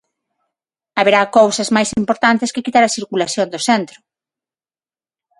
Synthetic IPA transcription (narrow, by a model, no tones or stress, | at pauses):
aβeɾakowsɐzmajsimpoɾt̪ant̪eskekit̪aɾɐsiɾkulaθjond̪osɛnt̪ɾʊ